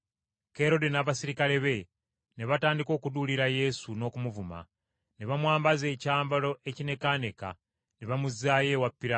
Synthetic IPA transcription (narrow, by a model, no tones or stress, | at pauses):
ke̞ɾo̞de̞naːβasiɾikale̞βe̞ | neβataːndiko̞ːkuduliɾaje̞suno̞ːkumuvuma̰ | neβamwaːmbaze̞ːcaːmbalo̞ʔe̞cine̞kane̞ka̰ | neβamuzaːje̞wapːiɾa